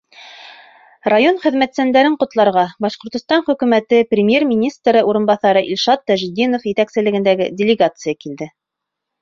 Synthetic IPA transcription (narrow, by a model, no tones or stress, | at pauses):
rajo̞nχɘ̆ðmæt̪sænd̪æɾɘɴqŏt̪lˠɑɾʁɑbɑʃqŏɾt̪ŏst̪ɑnχɵ̆kʉmæt̪ɘprʲɪmʲjermʲinʲist̪ɾɤʔuɾɤ̆nbɑθɑɾɤʔilʲʃɑt̪ːæʒɘd̪ʲinofjɘ̆t̪æksɘ̆lɘ̆ɡɘ̆nd̪æɡɘdʲɪlʲɪɡat̪sɨjakild̪ɘ